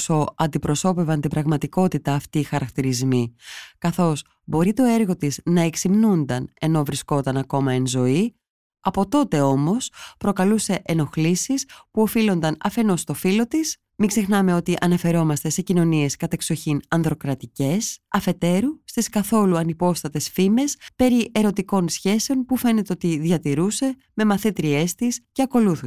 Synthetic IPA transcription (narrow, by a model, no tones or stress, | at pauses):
so̞ɐnd̪ipɾo̞so̞pe̞vɐnt̪ibɾɐɣmɐt̪iko̞t̪it̪ɐːft̪iːxɐɾɐkt̪iɾizmikɐθo̞s | bo̞ɾit̪o̞e̞ɾɣo̞t̪isnɐe̞ksimnund̪ɐne̞no̞vɾisko̞t̪ɐnɐko̞mɐenzo̞i | ɐpo̞t̪o̞t̪e̞o̞mo̞spɾokɐluse̞ʔeno̞xlisispuo̞filo̞nd̪ɐnɐfe̞no̞st̪o̞filo̞t̪is | miɡze̞xnɐme̞ot̪iʔɐnɐfe̞ɾo̞mɐst̪e̞se̞cino̞nie̞skɐt̪ɐkso̞çinɐnðɾo̞kɾɐt̪ice̞sɐfe̞t̪e̞ɾust̪iskɐθo̞luɐnipo̞st̪ɐt̪e̞sfime̞spe̞ɾiʔe̞ɾo̞t̪iko̞nsçe̞se̞o̞npufe̞ne̞t̪eo̞t̪iðʝɐt̪iɾuse̞ | me̞mɐθet̪ɾie̞st̪isce̞ɐko̞luθu